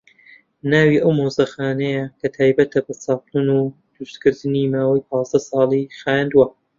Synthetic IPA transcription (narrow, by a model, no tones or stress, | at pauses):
naːwiʔɐwmozɐxaːnɐjɐkʰɐt̪ʰaːjbɐt̪ʰɐbɐt͡sɑːqunud̪ɾust̪kɨɾd̪ɨnimaːwɐjpʰɑːzd̪ɐsɑːlˠixaːnd̪uwɐ